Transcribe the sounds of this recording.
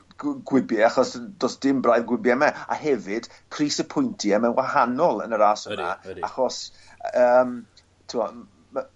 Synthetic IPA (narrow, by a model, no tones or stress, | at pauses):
ɡwɪbjɛaχɔsdɔsd̥ɪmbrajðɡwɪbjɛmɛa̰ɦɛvɨd̥ | pʰriːsəpʰʊjntʰiɛmɛnwahanɔlˠə̰nəɾaːsəna̰aχɔs | əːm | tʰuɔ